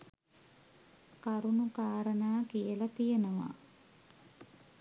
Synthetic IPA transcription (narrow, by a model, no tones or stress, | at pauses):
kaɾunukaːɾənaːkijəlɐt̪ijənəʋa̰